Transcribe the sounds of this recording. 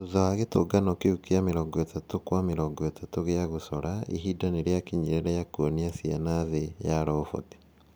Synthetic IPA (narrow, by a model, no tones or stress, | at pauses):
oðɔaɣetoɡanɔkeukeameɾɔŋɡɔetatokwameɾɔŋɡɔetatoɣeaɣosɔɾaḭɦidaneɾeakiɲiɾeɾɛjakuɔniasjanaðejaɾɔofɔ̰te̥